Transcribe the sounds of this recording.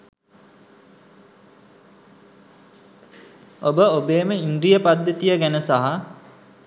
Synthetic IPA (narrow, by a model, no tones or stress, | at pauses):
obəobeːməinɾijəpad̪ːet̪ijəɡænəsaɦa